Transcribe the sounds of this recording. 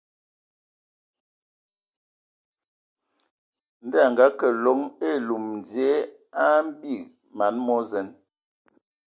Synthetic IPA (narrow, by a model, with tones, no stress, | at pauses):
n̩˦dɛ˦˨ŋ˨ɡa˨˦kə˨lɔ˨˦ŋe˦˨lu˨mn̩˨dje˨˦ | a˦m̩˦bi˦˨ | ma˨˦nmɔ˦zɛ˨˦n